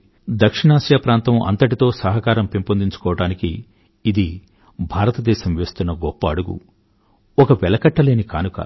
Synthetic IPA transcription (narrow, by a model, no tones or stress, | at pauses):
d̪ɐkʂiɳaːʃjaːpɾaːnt̪ɐmɐ̰nt̪ɐʈit̪o̞ːsɐɦɐkaːɾɐmpempond̪iɲt͡ʃu̥kɔːʋɐɽaːnikiː | d̪i | bʱaːɾɐt̪ɐd̪ɛːʃɐmʋe̞ːst̪unːɐɡɔpːɐːɽuɡṵ | ɔkɐʋɛlɐkɐʈːɐle̞ːnikaːnukɐ̰